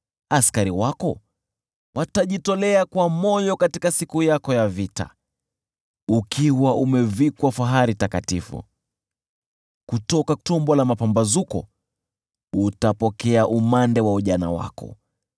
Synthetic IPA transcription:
askaɾiwakɔ | wʔataʄitɔlɛakwamɔjɔkatikasikujakɔjavita̰ | ukʰiwaʔumɛvikwafaɦaɾitakatifṵ | kutɔkatɔmbɔlamapambazukɔ̰ | utapɔkɛaʔumandɛwauʄana̰wa̰kɔ̰

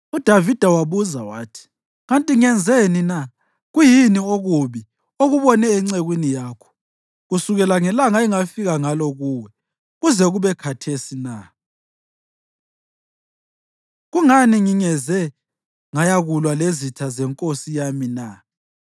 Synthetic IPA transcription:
ud̥ʱavid̥ʱawaβuzawa̰ːtʰi̥ | ɣantʼiŋɛnd͡zʱenina | ɣujinioɣuβi | oɣuβɔnɛːŋ͡ǀeɣwinijaːkʰɔ̥ | ɣusuɣɛlaŋɛlaŋaiŋafiɣaŋalɔɣuːwɛ | ɣuzɛɣuβɛkʰatʰesina | ɣuŋaniŋiŋɛzɛ | ŋajaɣulwalezitʰazɛŋkʼosijamina

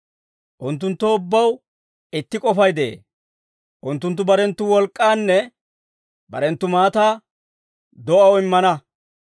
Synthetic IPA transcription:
ʔʊnt̪ːʊnt̪ːoʊbːɐw | ɪt̪ːɪkʼɔfɐjd̪ḛː | ʔʊnt̪ːʊnt̪̬ːʊbɐɾɛnt̪ːʊwɔlkʼːaːnːɛ | bɐ̰ɾɛnt̪ːʊmaːt̪aː | d̪ɔʔɐwɪmːɐnɐ

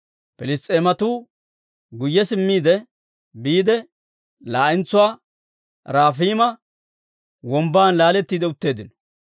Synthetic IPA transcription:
pɛlɪst̪ʼeːmɐt̪uː | ɡʊjːɛsɪmːiːd̪ɛ | biːd̪ɛ | laːʔɪnt͡sːʊwaː | ɾaːfiːmɐ | wɔmbaːnlaːlɛt̪ːiːd̪ɛʊt̪ːe̞ːd̪ɪnɔ̥

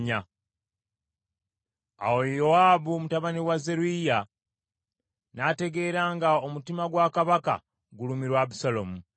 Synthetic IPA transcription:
ɲa | a̰wojowaːβumutaβaniwaze̞ɾuija | nate̞ɡe̞ːɾaːŋɡaomutimaɡwaːkaβaka̰ | ɡulumiɾwabusalomu

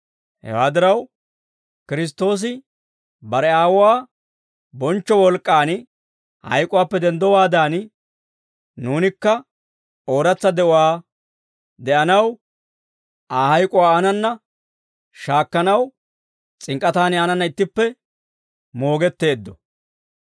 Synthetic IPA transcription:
hɛ̰waːd̪ɪɾɐw | kɪɾɪs̬t̪ːo̞ːs̬ɪ | bɐɾɛaːwʊwaː | bɔnt͡ʃːɔwɔlkʼːaːn | hɐ̰jkʼʊwaːpːɛd̪ɛnd̪ɔwaːd̪aːn | nuːnɪkːɐ | o̞ːɾɐt͡sːɐd̪ɛʔʊwaː | d̪ɛʔɐnɐw | ʔaːhɐjkʼʊwaːanɐnːɐ | ʃaːkːɐnɐw | t͡sʼɪŋkʼːɐt̪aːnɪaːnɐnːɐɪt̪ːɪpːɛ | mo̞ːɡɛt̪ːe̞ːd̪ːɔ

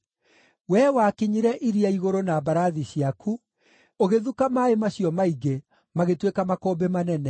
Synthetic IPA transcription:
wɛwakiɲiɾɛʔiɾiaiɣoɾonabaɾaðiɕiakʰu | oɣeðukamaemaɕijɔmaiɡe | maɣetwekamakɔːbemanɛnɛ

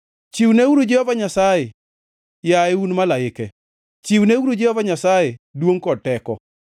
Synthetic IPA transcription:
t͡ʃiwneuɾod͡ʒehɔvaɲasajɛ | jaɪunmalaɪkɛ | t͡ʃiwneuɾod͡ʒɪhɔvaɲasajɛdwoŋkɔtɛkɔ̰

